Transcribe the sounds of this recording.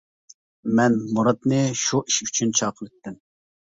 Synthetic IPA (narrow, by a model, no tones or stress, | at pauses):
mɛnmuɾɑt̪̚nɨʃuʔiʃyt͡ʃʰynt͡ʃʰɑːqʰəlɪt̪ːɪm